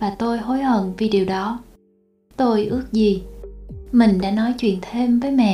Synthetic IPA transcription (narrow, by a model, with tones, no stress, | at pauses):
vaː˨˩t̪o˧jɦo˨˦jhə˧˨nvi˨˩ɗi˨˩əwɗɔ˨˦ | t̪o˧jʔɨ˦˥ək̚zi˨˩ | mï˨˩ŋ̟ɗa̰ː˧˥nɔ˨˦jt͡ɕwḭ˧˨ənt̪ʰe˧mvəː˨˦jmɛ̰˧˨